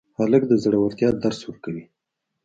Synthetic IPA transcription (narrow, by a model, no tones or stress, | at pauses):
halək̚d̪əzaɽawaɾt̪jɑd̪aɾswəɾkawi